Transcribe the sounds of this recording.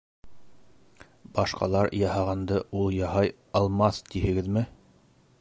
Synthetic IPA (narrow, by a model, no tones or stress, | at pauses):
bɑʃqɑ̰lˠɑɾjɑhɑʁɑnd̪ɤulˠjɑhɑj | ɑlˠmɑθt̪ihɘ̆ɡɘðmɘ